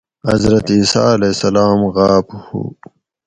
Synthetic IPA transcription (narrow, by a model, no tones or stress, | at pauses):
ɐ̰zɾɐt̪iːsa̰ːlesɐlaːmɣaːphṵː